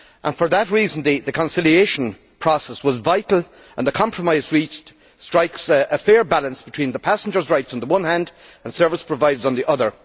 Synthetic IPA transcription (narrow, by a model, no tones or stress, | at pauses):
ʔə̃nfə˞ðət̚ɹizə̃nðɨðɨkʰə̃nsɪlieʃə̃n | pʰɹ̥ɔsɛswɒzvaɪɾl̩ˠ | ʔə̰̃nðəkʰɑ̃mpʰɹəmaɪzɹit͡ʃ | stɹ̥aɪksəfɛɹbalˠə̃nsb̥ɪtʰw̥ĩːnðəpʰasə̃n̩d͡ʒə˞zɹaɪtsn̩ðəwʌ̃nhæ̃ndə̃nsɜ˞vəspʰɹ̥əvaɪdzn̩ðiʔʌðə˞